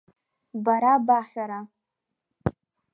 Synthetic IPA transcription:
baɾabaħʷᶣaɾa

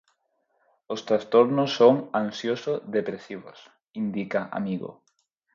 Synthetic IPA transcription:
ʊst̪ɾast̪oɾnʊsːoŋaŋsjosoðepɾesiβo̰s | ind̪ikaʔa̰miɣo̰

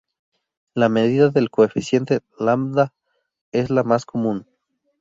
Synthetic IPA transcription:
lame̞ðiðaðe̞lkoefisje̞nt̪elamd̪a | e̞zlamasko̞mũn

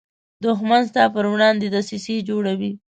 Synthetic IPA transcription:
d̪ʊxmanst̪ɑpəɾwɽɑnd̪ed̪asised͡ʒoɽawi

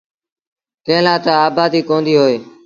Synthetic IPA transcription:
t̪ẽːlãːt̪aaːbaːd̪iːkõːnd̪iːɦoːeː

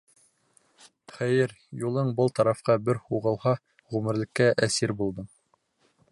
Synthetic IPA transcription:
χæjɘɾ | julˠɤɴbɤlˠt̪ɑɾɑfqɑbɘɾhuʁɤ̆lˠhɑ | ʁʉmɘ̆ɾlɘ̆kːæʔæsiɾbulˠd̪ɤɴ

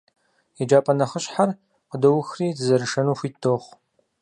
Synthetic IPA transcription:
ɛd͡ʒaːpʼɐnɐχəɕħar | qədɐwʊxriːdɨzɐɾɨʂɐnuːxʷiːtdʰoːχ

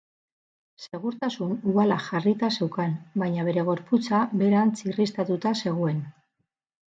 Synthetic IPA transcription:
se̞ɣuɾt̪asunuɣalaʝarit̪ase̞wkanbajɲaβ̞e̞ɾe̞ɣ̞o̞ɾput͡sabe̞ɾant͡sirist̪at̪ut̪ase̞ɣ̞ue̞n

